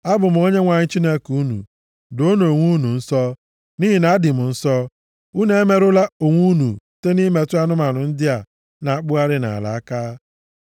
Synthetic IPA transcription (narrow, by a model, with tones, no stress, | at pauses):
a˦bʊ˨m̩˨˦o˦ɲe˦ŋʷa˨ɲɪ˦t͡ʃi˦ne˦ku˦nṵ˨ | do˦no˨ŋʷu˦nu˨n̩˦sɔ˦ | ni˦ɦi˨na˨a˦dɪ˨m̩˨n̩˦sɔ˦ | u˦ne˦e˦me˦ɾʊ˦la˦o˨ŋʷu˦nṵ˨te˦ni˦me˨˦tʊ˦a˦nʊ˦ma˨nʊ˨n̩˦dɪ˦a˨ | na˨a˦˨k͡pʊ˦a˦ɾɪ˦na̰˨a̰˨la̰˨a˦kaː˦